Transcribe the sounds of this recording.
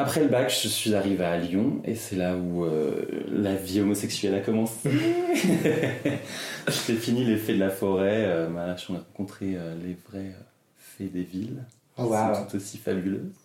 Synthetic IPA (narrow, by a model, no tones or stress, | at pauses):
apχɛləbakʒ̥əsɥizaʁivealjɔ̃ḛsɛlauø̰laviomɔsɛksɥɛlakɔmɑ̃se | ʒət̪efinilefɛd̪əlafɔʁɛømaʁaʃɑ̃neʁɑ̃kɔ̃t̪χeølevʁɛø | fɛd̪evil | ɛt̪u̥t̪osi̥fabylø